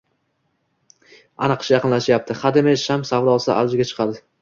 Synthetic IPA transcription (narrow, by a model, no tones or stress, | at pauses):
a̰nɨqʰʃjɑqɨnlaʃjap̚t̪ʰɪχad̪ɪmeʃamsavɾɒsɪʔa̰ld͡ʒɪɡʲat͡ʃʰɨ̥qʰɑd̪ɪ